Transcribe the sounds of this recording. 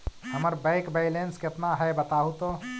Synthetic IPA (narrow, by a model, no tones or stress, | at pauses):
həməɾbəɪkbeɪlenskeət̪naɦɛbət̪aːɦut̪o